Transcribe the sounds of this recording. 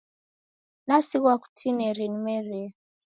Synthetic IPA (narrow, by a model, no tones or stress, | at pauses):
nasiɣwaku̥tʰinɛɾinimɛɾe